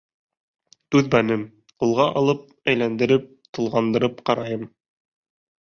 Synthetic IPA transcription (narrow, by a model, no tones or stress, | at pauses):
t̪ʉðbænɘm | qulˠʁɑʔɑlˠɤp̚ | æjlænd̪ɘ̆ɾɘp̚t̪ɤ̆lˠʁɑnd̪ɤ̆ɾɤpqɑɾɑjɤm